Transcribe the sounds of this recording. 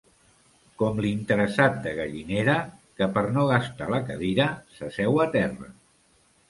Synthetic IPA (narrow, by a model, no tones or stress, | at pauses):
kɔmlint̪əɾəsat̪̚d̪əɣəʎineɾəkəpəɾnoɣast̪aləkəðiɾəsəsɛwat̪ɛrə̰